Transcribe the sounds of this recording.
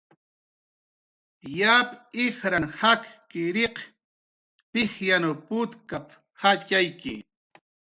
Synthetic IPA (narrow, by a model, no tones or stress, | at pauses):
japɪxɾanhakkɪɾeq | pɪxjanopʊt̪kap | hat͡ʃajkɪ̰